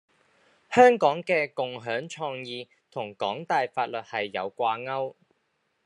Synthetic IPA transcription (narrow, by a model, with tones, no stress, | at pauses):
hœː˥ŋkɔː˨˥ŋkɛː˧kʊ˨ŋɦœː˨˥ŋt͡ʃʰɔː˧ŋjiː˧ | t̪ʰʊ˨˩ŋkɔ̰ː˨˥ŋt̪aː˨jfaː˧t̚lɵ˨t̚hɐ˨jːɐ˨˧wkʷaː˧ŋɐ˥w